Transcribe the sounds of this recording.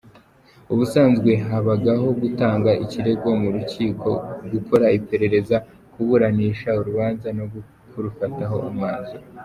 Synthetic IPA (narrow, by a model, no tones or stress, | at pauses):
uβusaːnzɡwe̞ɦaβaɡaɦo̞ɡutaːŋɡaiciɾe̞ɡo̞muɾuciːkʰo̞ɡukoɾaipe̞ɾe̞ɾe̞za | kuβuɾaniːʃauɾuβaːnzanoɡ | kuɾufataɦo̞ʔumŋaːnzo